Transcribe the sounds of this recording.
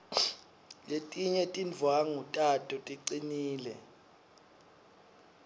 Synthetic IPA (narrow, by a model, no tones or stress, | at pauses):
letʼiɲɛtʼind͡vʱwaŋutʼatʼɔtʼiǀiniːlɛ̰